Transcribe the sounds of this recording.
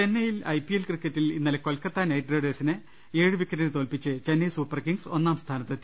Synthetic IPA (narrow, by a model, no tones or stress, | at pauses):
t͡ɕe̞nːɐjilɐjpijelkrikːɐtːilinːɐleko̞lkɐt̪ːaːnɐjʈrɐːɖeːsinɨ | e̞ːɻɨʋikːɐɾint̪o̞ːlpit͡ɕːɨt͡ɕenːɐjsuːpːɐrkiŋɡso̞nːaːmst̪ʰaːnɐt̪ːɐt̪ː